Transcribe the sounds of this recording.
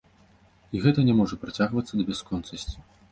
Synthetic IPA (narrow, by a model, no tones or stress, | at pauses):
iɣɛt̪ɐnʲɛmɔʐɐpɾat͡sʲaɣvɐt̪sːɐd̪ɐbʲɛskɔnt̪sɐsʲt͡sʲi̥